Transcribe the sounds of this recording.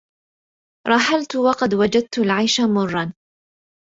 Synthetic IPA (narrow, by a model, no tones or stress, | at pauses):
ɾˤɑħalt̪ʊwɑqɑd̪wad͡ʒad̪̚t̪ʊlʕajʃamʊrˤːɑn